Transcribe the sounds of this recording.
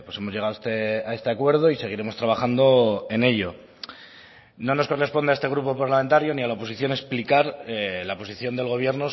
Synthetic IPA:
pwo̞se̞mo̞zʝe̞ɣaðest̪eae̞st̪eakwe̞ɾð̞o̞ise̞ɣ̞iɾe̞mo̞st̪ɾaβ̞axand̪o̞e̞ne̞ʎo̞ | no̞no̞sko̞re̞spo̞nd̪eest̪eɣɾupo̞paɾlamẽ̞nt̪aɾjo̞nialaopo̞siθjo̞ne̞splikaɾlaopo̞siθjo̞nd̪elɣ̞o̞β̞je̞ɾno

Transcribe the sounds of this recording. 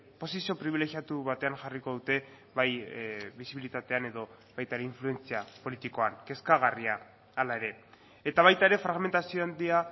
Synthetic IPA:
po̞sisio̞pɾiβile̞xiat̪uβat̪e̞aŋʝariko̞ðut̪e̞ | βajβisiβilit̪at̪e̞ane̞ðo̞ | βajt̪aeɾe̞iɱflue̞nt͡siapo̞lit̪iko̞aŋke̞skaɣ̞ariaː | lae̞ɾe̞ː | t̪aβajt̪aeɾe̞fɾaɣme̞nt̪asio̞and̪ia

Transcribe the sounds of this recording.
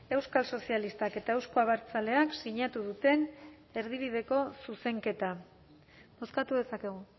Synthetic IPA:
e̞wskalso̞sialist̪ake̞t̪ae̞wskoaβaɾt͡sale̞aksiɲat̪uðut̪e̞n | e̞ɾð̞iβið̞e̞ko̞suse̞ŋke̞t̪a | mo̞skat̪uðe̞sake̞ɣ̞u

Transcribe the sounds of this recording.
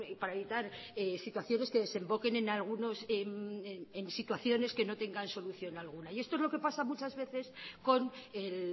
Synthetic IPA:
paɾae̞βit̪aɾesit̪waθjo̞ne̞skeðe̞se̞mbo̞ke̞nẽ̞nalɣ̞uno̞semensit̪waθjo̞ne̞ske̞no̞t̪e̞ŋɡanso̞luθjo̞nalɣ̞unaiest̪oe̞zlo̞ke̞pasamut͡ʃazβe̞θe̞sko̞nel

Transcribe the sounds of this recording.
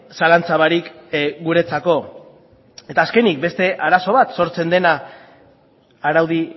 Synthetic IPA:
salant͡saβaɾikɡuɾe̞t͡sako̞ | e̞t̪aːske̞nik̚be̞st̪e̞ʔaɾaso̞β̞at̪so̞ɾt͡se̞nd̪e̞na | ɾawð̞i

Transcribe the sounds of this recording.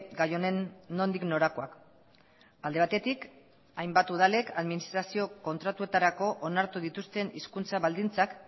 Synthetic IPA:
ɡajo̞ne̞nːo̞nd̪ikno̞ɾako̞ak | ald̪e̞β̞at̪e̞t̪ik | ajmbat̪uðale̞kaðminist̪ɾasio̞ko̞nt̪ɾat̪ue̞t̪aɾako̞ʔonaɾt̪uðit̪ust̪e̞niskunt͡saβald̪int͡sak

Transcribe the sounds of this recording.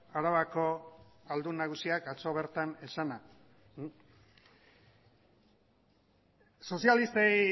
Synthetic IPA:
aɾaβako̞ald̪unaɣusiakat͡so̞βe̞ɾt̪ane̞sana | so̞sialist̪aj

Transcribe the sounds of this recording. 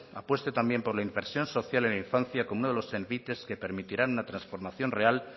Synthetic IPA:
apwe̞st̪et̪ambje̞mpo̞ɾlaiɱfeɾsjo̞nso̞θjalenaiɱfanθjakomunoðelo̞seɾβit̪e̞ske̞pe̞ɾmit̪iɾanunat̪ɾansfo̞ɾmaθjo̞nre̞al

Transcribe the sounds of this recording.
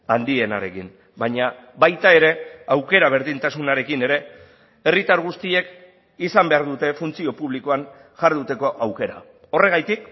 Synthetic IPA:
and̪ie̞na̰ɾe̞kin | baɲa | βajt̪ae̞ɾe̞awke̞ɾaβ̞e̞ɾðint̪asunaɾe̞kine̞ɾe̞ | erit̪aɾɣ̞ust̪ie̞k | isambe̞aɾðut̪e̞funt͡sio̞puβ̞likoan | ʝaɾðut̪e̞ko̞ʔawke̞ɾa̰ | o̞re̞ɣ̞ajt̪ik̚

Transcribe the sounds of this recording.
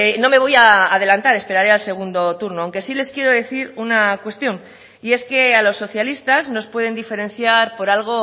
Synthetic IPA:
no̞me̞β̞o̞jaːðe̞lant̪aɾe̞spe̞ɾaɾealse̞ɣ̞und̪o̞t̪uɾno̞awŋke̞sile̞skje̞ɾoðe̞θiɾunakwe̞st̪jo̞n | ie̞ske̞alo̞sːo̞θjalist̪azno̞spwe̞ð̞e̞nd̪ife̞ɾẽ̞nθjaɾpo̞ɾalɣ̞o̞

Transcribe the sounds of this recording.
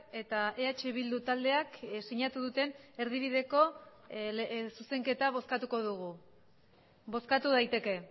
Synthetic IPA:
e̞t̪aʔeat͡ʃeβild̪ut̪ald̪e̞aksiɲat̪uðut̪e̞ne̞ɾðiβ̞iðe̞ko̞ | suse̞ŋke̞t̪aβ̞o̞skat̪uko̞ðuɣu | bo̞skat̪uð̞ajt̪e̞ke̞

